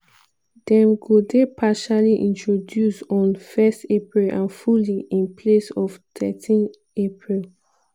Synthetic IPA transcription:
dɛ̃mɡodepʰaʃaliʔĩntʰɹodjusɔ̃nfɛstepɹilãnfuliĩnpʰlesɔftʰɛ̰tʰĩn | epʰɹil

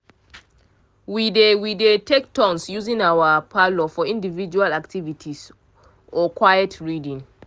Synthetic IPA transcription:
widewidetek̚tɔ̃nsjuzĩnawapʰalɔfɔĩndivid͡ʒualaktʰivitʰis | ʔɔkʰwajɛtɹidĩn

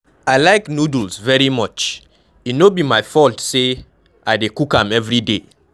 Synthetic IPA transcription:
aɪlaɪknudulsvɛɹimɔt͡ʃ | inobimaɪfɔltse | aɪdekukãmɛvɹide

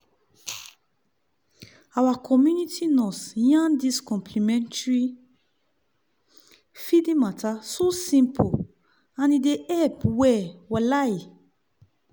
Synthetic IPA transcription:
awakʰɔmjunitʰinɔ̃sjãndiskɔ̃mpʰlimɛ̃ntɹi | fidĩmatasosĩmpʰo | ãnideʔɛpwɛwalaj

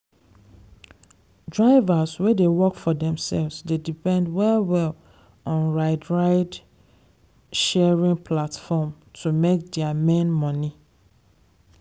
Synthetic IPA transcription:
dɹaɪvaswɛdewɔkfɔdɛ̃msɛ̰lvsdedipɛ̃ndwɛlwɛl | ɔ̃nɹaɪdɹaɪd | ʃɛɹĩŋpʰlatfɔm | tʰumek̚dɛamẽnmɔ̃ni

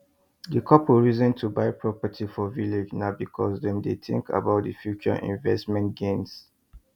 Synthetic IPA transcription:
dəkʰɔpwiɹizɔ̃ntʰubaɪpʰɹɔpatʰifɔviled͡ʒnaʊbikʰɔsdɛ̃mdeθḭ̃ŋka̰baʊt̚dəfjut͡ʃɔ̰ʔḭ̃nvɛstmɛ̃ntɡẽns

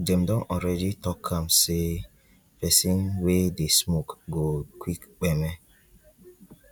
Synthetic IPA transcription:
d͡ʒɛ̃mdɔ̃nʔɔlɾɛditɔkʰːãmse | pɛsĩnwedesmokɡokʰwikk͡pɛmɛ

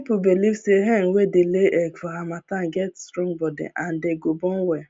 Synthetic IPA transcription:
pubelifseɦeŋ̩wedeleʔeɡfɔɦamataŋ̩ɡɛtstɾɔ̃ŋbɔdḛʔan̩deɡobɔŋ̩we

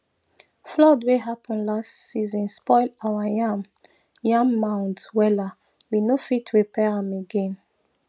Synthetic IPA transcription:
flɔdweɦapʰɔ̃nlastsizɔ̃nspɔɪlawajãm | jãmːãʊ̃ntwɛla | winofitɹipɛɹãmeɡɛ̃n

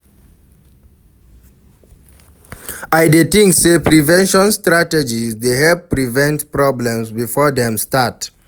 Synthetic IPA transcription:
ajdetĩŋksepɹivɛ̃nʃɔ̃nstɹatɛd͡ʒizdeɦɛlppːɹivɛ̃ntpɹɔblɛ̃msbifɔdɛ̃mstat

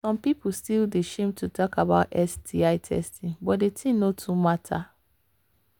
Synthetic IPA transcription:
sɔ̃mpipustildeʃẽmtʰutʰɔkabaʊtɛsdiaɪtʰɛ̰stʰĩŋbɔtdetʰĩnotʰumatʰa

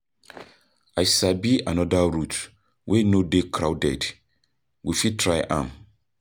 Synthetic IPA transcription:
ajsabianɔdaɾut | wʔenodekʰɾawdɛ̰d | wifitʰɹajʔã̰m

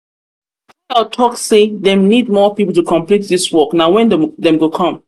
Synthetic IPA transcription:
atʰɔkseðɛ̃mnid̚mɔpipl̩ˠtukʰɔ̃mplit̚diswɔknaʊwɛ̃ndɛ̃mɡokʰɔ̃m

